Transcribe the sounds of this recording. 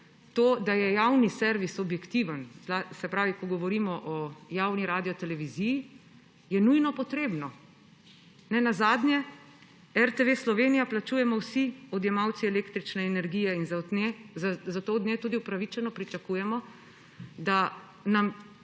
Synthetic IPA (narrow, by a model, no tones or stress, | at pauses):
t̪oːd̪ajɛjawnisɛɾʋisɔbjɛkt̪iʋənzlasɛpɾaːʋikɔɡɔʋɔɾimɔʔɔjaːwniɾaːd̪iɔt̪ɛlɛʋiziji | jɛnujnɔpɔt̪ɾeːbnɔ | nɛnazaːd̪njɛ | ɛɾt̪eʋeslɔʋeːnijaplat͡ʃuːjɛmɔwsiɔd̪jɛmawt̪siɛleːkt̪ɾit͡ʃnɛːnɛɾɡiːjɛinzanezzat̪od̪neːt̪ud̪iupɾaʋit͡ʃɛnɔpɾit͡ʃakuːjɛmɔ | d̪a | nam